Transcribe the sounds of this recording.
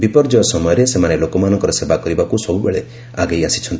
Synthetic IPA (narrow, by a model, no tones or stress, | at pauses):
bipɔɾd͡ʒɔjɔsɔmɔjɔɾesemanelokɔmanɔ̃ŋkɔɾɔsebakɔɾibakusɔbubeɭe | aɡejasi̥t͡ʃʰɔnt̪i̥